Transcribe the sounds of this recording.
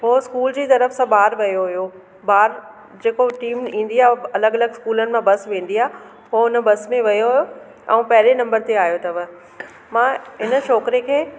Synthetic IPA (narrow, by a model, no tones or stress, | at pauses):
ɦoːskuːld͡ʑiːt̪ɐɾəfsãbaːɾʋɐjoɦʊjo | baːɾ | d͡ʑeːkoʈiːmĩːn̆d̪iaːɐləɡɐləɡɪskuːlənɪ̆mãbɐsʋẽːn̆d̪iaː | ɦoʊnəbɐsmẽʋɐjoɦʊjo | ɛ̰̃ũpɐɦɪɾenɐ̃mbəɾt̪eaːjot̪ɐʋ | mãɦɪnə̆ʃɔːkɾekʰeː